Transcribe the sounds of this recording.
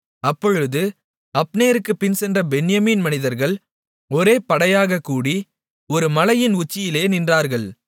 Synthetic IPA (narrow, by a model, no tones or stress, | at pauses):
ɐpːɔɻɯðɯ | ɐpːneːɾɯkːɯpːɪnsɛndrɐbɛnɪjɐmiːnmɐnɪðɐɾɣɐɭ | ɔɾeːpɐɽɐjaːɣɐkːuːɽi | ɔɾɯmɐlɐjɪnʊt͡ʃːɪjɪleːnɪndraːɾɣɐɭ